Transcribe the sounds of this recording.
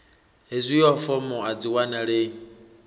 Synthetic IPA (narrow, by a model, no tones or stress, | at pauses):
ɦezʷijɔfɔmʊad͡ziwanaɺe